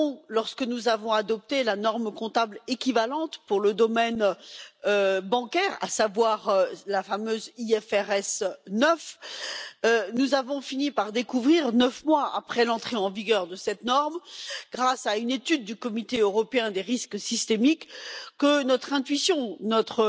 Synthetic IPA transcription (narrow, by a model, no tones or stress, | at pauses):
lɔʁskənuzavɔ̃ad̪ɔp̚t̪elanɔʁmkɔ̃t̪ablekʲivalɑ̃t̪puʁləd̪ɔmɛnøbɑ̃kʲɛʁa̰savwaʁlafamøziɛfɛʁɛsnœf | ønuzavɔ̃finipaʁd̪ekuvʁiʁnœfmwaa̰pχɛlɑ̃t̪χeɑ̃viɡʲœʁd̪əsɛt̪nɔʁmɡʁasaynet̪yd̪̚ːykɔmit̪eøʁɔpeɛ̃d̪eʁisksist̪emikːənɔt̪χɛ̃t̪ɥisjɔ̃nɔt̪χə